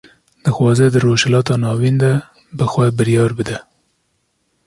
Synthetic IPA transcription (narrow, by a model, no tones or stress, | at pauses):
d̪̥əxwɑzed̪əɾoʃlɑt̪ɑnɑwind̪a | bəxwabɪɾjɑːɾbəd̪a